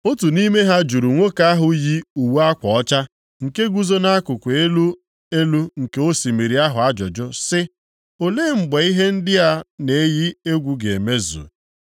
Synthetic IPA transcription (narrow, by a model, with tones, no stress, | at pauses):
o˦tu˨ni˦me˦ɦa˦d͡ʒu˨ɾu˨ŋʷo˦ka˦a˦ɦʊ˦ji˦u˨wa˦kʷɔ˨ɔ˦t͡ʃa˦ | ŋ̩˨ke˦ɡʷu˦zo˦na˦kʊ˨kʷe˨e˦lu˦ | e˦lu˦ŋ̩˨ke˨˦o˦si˨mi˨ɾi˨a˦ɦʊ˨a˦d͡ʒʊ˨d͡ʒʊ˦sɪ˦ | o˨leː˦ŋ͡m̩˨ɡ͡be˨i˦ɦe˦n̩˦dɪ˦a˦ne˨e˦ji˦e˦ɡʷu˦ɡe˨e˨me˦zṵ˨